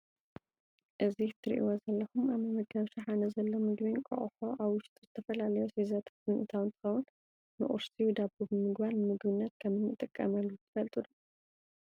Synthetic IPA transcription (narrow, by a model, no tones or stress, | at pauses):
ʔɨzit̪ʰɨɾʔḭwozɐlːɐxumaβmɐmɐɡɐβʃɐħanɐzɐlːomɨɡbikʼɐ̰χʼħoʔaβwʊʃt̪ʼuzɨt̪ʰɐfɐlalɐjosizɐt̪ʰḁt̪ɨnʔɨt̪ʰawɨnt̪ʰɨ̥xɐwun | nɨ̰ʔʼṵɾsiud̪abubɨmɨɡbaɾnɨmɨɡbɨnːɐt̪̚kʰɐmɨnɨt̪ʼɨkʼːɐmɐlːut̪ʰɨ̥fɐlt̪ʼɨd̪u